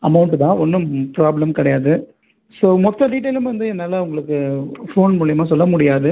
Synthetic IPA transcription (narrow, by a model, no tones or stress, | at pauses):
ɐmɐʊɳʈt̪ãːɔnːɯpɾaːblɐmkɪɽɐjaːðɯ | soːmɔt̪ːɐɖiːʈ̬ːɐɪlɯmʋɐnd̪ɯɛnːaːlɐʊŋɡɐɭɯkːɯfoːnmuːɭɪjɐmaːsɔlːɐmʊɽɪjaːðɯ